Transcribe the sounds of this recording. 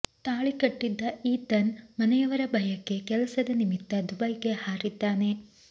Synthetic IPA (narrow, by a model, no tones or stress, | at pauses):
t̪aːɭikɐʈːid̪ːɐiːt̪ɐnmɐnɐjɐʋɐɾɐbʱɐjɐkːe̞kɛlɐsɐd̪ɐnimit̪ːɐd̪ubɐjke̞haːɾid̪ːaːne̞